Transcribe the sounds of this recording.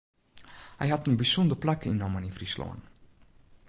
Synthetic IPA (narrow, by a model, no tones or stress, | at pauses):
hɛjɦɑtənbisɔndərplakəinɔməninfrislo̰ə̰n